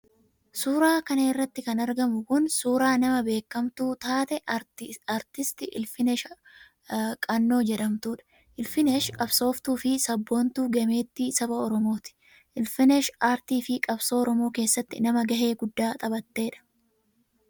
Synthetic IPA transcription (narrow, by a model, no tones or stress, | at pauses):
suːɾaːkɐneːrːɐt̪ːɪkɐnɐɾɡɐmʊkʊnsuːɾaːnɐmɐbe̞ːkːɐmt̪uːt̪aːt̪ɛaːɾt̪ɪst̪ɪʔɪlfɪnɛʃɐ | kʼɐnːo̞ːd͡ʒɛᶑɐmt̪uːᶑɐ̥ | ʔɪlfɪneʃkʼɐbso̞ːft̪uːfɪsɐbːo̞ːnt̪uːɡɐme̞ːt̪ːisɐbɐɔɾɔmo̞ːt̪ɪ̥ | ʔɪlfɪnɛʃʔaːɾt̪iːfɪkʼɐbsoːɔɾɔmo̞ːke̞ːsːɐt̪ːɪnɐmɐɡɐɦe̞ːɡʊd̪ːaːt̪ʼɐbɐt̪ːe̞ːᶑɐ̥